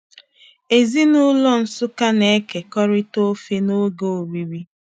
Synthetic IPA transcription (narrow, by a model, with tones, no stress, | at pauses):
e˨zi˦nʊ˦lɔ˦n̩˨sʊ˦ka˦ne˨˦ke˨kɔ˦ɾɪ˦to˦fe˦no˦ɡo˨o˨ɾi˦ɾi˦